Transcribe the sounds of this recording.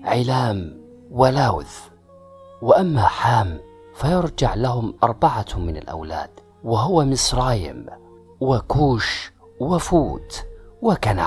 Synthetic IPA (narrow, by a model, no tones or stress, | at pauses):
ʕɪlaːm | wɪlaːwð | wɪʔamːaħaːm | fajʊɾˤd͡ʒaʕlahʊmʔɑɾˤbaʕamɪna̰lʔa̰wla̰ːd̪̥ | wɪɦʊwamɪsɾˤɑːjɪ̰m | wɪkuːʃ | wɪfuːt̪wɪkana̰